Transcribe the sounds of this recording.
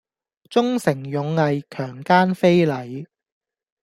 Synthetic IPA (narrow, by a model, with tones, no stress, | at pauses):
t͡sʊ˥ŋsɪ˨˩ŋjʊ˨˧ŋːɐ˨˧jkʰœː˨˩ŋkaː˥nfe˥jlɐ˨j